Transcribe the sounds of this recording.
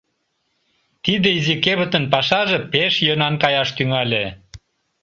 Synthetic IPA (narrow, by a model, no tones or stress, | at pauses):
t̪id̪ĕizikeβə̆t̪ə̆npɑʃɑʒĕpeʃjønɑnkɑjɑʃt̪yŋɑlʲe